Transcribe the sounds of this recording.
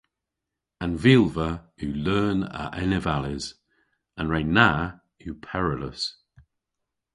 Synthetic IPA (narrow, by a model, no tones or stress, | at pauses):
ə̃nvɪlˠvəʉlɜːnə̰ʔɛnɪvalɪz̥ | ə̃nɹeɪna | hupʰɛɹələs